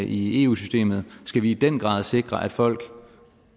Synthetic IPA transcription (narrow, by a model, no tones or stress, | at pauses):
ʔie̝̰ːuːsysd̥e̝̰ːmð̞̩ˠsɡ̥æʋiːd̥enɡ̥ʁɑ̰̈ːðˠse̝ɡ̥ʁɐʔæd̥fɒ̽l̰ɡ̥